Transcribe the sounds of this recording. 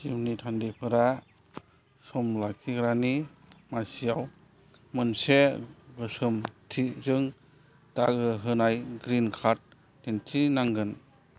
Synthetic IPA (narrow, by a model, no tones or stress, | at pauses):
d͡ʒimnitʰandipʰɯɾa | sɔmlakʰiɡɾani | masijaw | mɯnseɡɯsɯmtʰizɯŋ | ta̰ɡɯɦɯnajɡɾinkʰat̚ː | entʰinaŋɡɯn